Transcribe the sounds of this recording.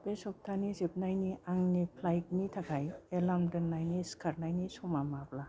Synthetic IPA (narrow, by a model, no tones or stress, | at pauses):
pesɔp̚tʰanizip̚najniʔaŋnipʰlajk̚nitʰakʰajelamdɯnːajniskʰaɾnajnisɔmamabla